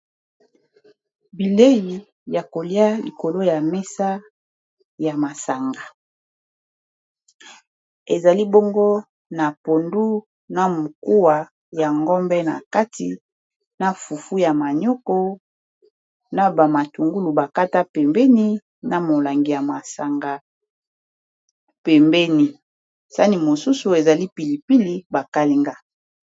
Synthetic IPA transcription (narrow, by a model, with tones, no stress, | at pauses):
bi˨le˦ji˨ | ja˨ko˨li˦a˦li˨ko˨lo˦ja˨me˦sa˦ | ja˨ma˨sa˨ŋɡa˨ | e˨za˨li˦bo˦ŋɡo˦ | na˨po˨ndu˦ | na˨mo˨ku˦wa˨ | ja˨ŋɡɔ˦mbɛ˦na̰˨ka˦ti˨ | na˨fu˨fu˦ja˨ma˨ɲo˦ko˦ | na˦ba˨ma˨tu˨ŋɡu˦lu˨ba˨ka˦ta˦pɛ˨mbɛ˦ni˦ | na˨mo˨la˨ŋɡi˨ja˨ma˨sa˨ŋɡa˨ | pɛ˨mbɛ˦ni˨ | sa˦ni˨mo˨su˦su˨e˨za˨li˦pi˨li˨pi˦li˦ba˨ka˦li˦ŋɡa˦